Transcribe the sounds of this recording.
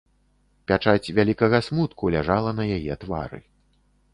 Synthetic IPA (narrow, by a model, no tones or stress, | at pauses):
pʲat͡ʂat͡sʲvʲalʲikɐɣɐsmut̪kulʲaʐalˠɐnɐjajɛt̪va̰ɾɨ̰